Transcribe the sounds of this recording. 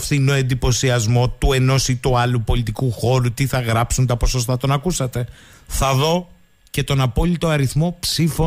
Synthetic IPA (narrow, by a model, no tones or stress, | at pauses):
fθinoe̞nd̪ipo̞siɐzmo̞t̪ue̞no̞sit̪uɐlupo̞lit̪ikuxo̞ɾut̪iθɐɣɾɐpsunt̪ɐpo̞so̞s̬t̪ɐt̪o̞nɐkusɐt̪e̞ | θɐðo̞ | ce̞t̪o̞nɐpo̞lit̪o̞ɐɾiθmo̞psifo